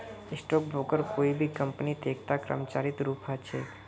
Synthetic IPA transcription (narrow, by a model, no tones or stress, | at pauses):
ɪsʈɔːk̚bʱoːkəɾkoːibʱikə̃mpənit̪eːk̚ʰt̪akɾə̰mt͡ʃaːɾɪt̪ɾuːpɦat͡ʃʰeː